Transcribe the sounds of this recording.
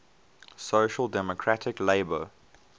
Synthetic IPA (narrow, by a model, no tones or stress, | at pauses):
soʊʃəlˠdɛmɔkʰɹatʰɪkleɪbə